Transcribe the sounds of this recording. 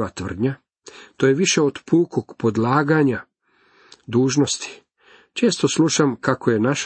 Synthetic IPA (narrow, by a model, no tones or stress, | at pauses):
ʋat̪ʋr̩d̪ɲa | t̪ojeʋiʃe̞od̪puːkoɡ̥po̞d̪laːɡaɲa | d̪uːʒno̞st̪i̥ | t͡ʃe̞ːst̪o̞sluʃamkakʰoje̞naʃ